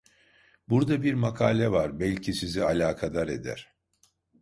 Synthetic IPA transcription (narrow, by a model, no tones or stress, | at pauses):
buɾd̪abiɾmakʰaːlʲɛvaɾbɛlʲcʰisizialʲaːkʰad̪aɾe̞̰d̪æ̰ɾ̥